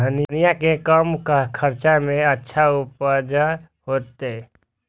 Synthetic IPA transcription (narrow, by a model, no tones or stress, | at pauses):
əninijakekəmkkʰəɾt͡ʃamẽətːʃʰaʊpəd͡ʒa | ɦoːt̪e